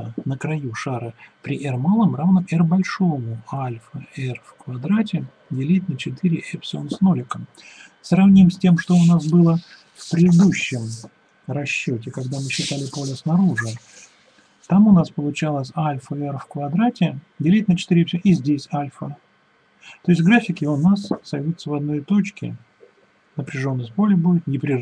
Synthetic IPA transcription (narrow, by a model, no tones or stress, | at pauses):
nəkɾɐjuʂaɾɨpɾʲɪʔɛrmalˠəmravnəɛrbɐlʲʂomʊalʲfəɛrfkvɐd̪ɾatʲɪ | dʲɪlʲitʲnət͡ɕɪt̪ɨɾʲɪʔɛpsʲonsnolʲɪkə | srɐvnʲimsʲtʲe̞mʂt̪o̞ʊnas̬bɨlˠə | fpɾʲɪɨd̪uɕːɪm | rɐɕːo̞tʲɪkɐɡd̪amɨɕːɪt̪alʲɪpo̞lʲəsnɐɾuʐɨ | t̪amʊnaspəlˠʊt͡ɕalˠəsʲalʲfəɛrfkvɐd̪ɾatʲɪ | dʲɪlʲit̚ʲnət͡ɕɪ̥t̪iɾʲɪepʲsʲoʔizʲdʲesʲalʲfə | t̪o̞ɪstʲɡɾafʲɪkjɪonasːɐjvʲut̪səvɐd̪no̞jt̪o̞t͡ɕkʲɪ̰ | nəpɾʲɪʐo̞nːəsʲtʲpo̞lʲɪbudʲɪt̪nʲɪpɾʲɪ